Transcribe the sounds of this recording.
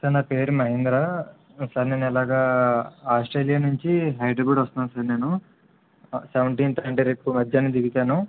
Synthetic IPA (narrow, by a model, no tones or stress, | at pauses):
t̪ɐnɐpeːɾumɐɦind̪ɾa | sɐɾneːnɛlaːɡaːaːsʈɾeːlijanuɲt͡ʃiɦɐjɖebuɽɐst̪unansɐɾne̞ːnu | seʋɐɳʈiːnt̪aɐɳʈeɾeːpːumɐdjaːnid̪iɡit̪aːnu